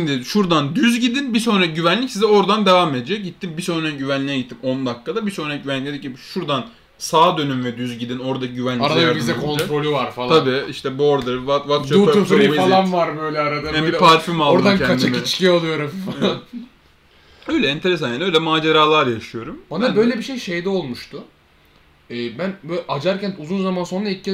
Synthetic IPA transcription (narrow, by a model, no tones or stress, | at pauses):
ʃimnd̪ɪʃuɾd̪and̪yzɟid̪inbiso̞nɾaɟyvænlʲːicsizɛo̞ɾd̪and̪e̞vaːmed̪ed͡ʒɛk̚ɟit̪ʰːibiso̞nɾaɟyvænlʲijɛɟit̪ʰːipo̞nd̪akːad̪abiso̞nɾaɟyvænʲicd̪ed̪ycːiʃuɾd̪an | saːd̪ø̞nymvɛd̪yzɟid̪ino̞ɾd̪aɟyvænlʲːaɾad̪aizɛkʰond͡ʒ̪t̪ɾolʲyvaɾfalˠʰabiːiʃt̪ʰɛboɾd̪ɯɾvavat̪d̪uuɾiafalˠanvaɾbøjlʲɛaɾad̪ajanbipʰaɾfymalˠoɾd̪d̪ancʰɛkʰadt͡ʃ̪amɛit͡ʃcialˠɯjo̞ɾumfaan | øjlʲɛint̪ʰe̞ɾes̬anjanøjlʲɛmaːd͡ʒaɾaːlˠaɾjaʃɯjo̞ɾumbanabø̞jlʲɛbiʃe̞jʃejd̪ɛo̞lˠmuʃt̪ʰʊ | ɛːbænbøʔad͡ʒaɾcænuzunzamanso̞nɾailcʰːɛ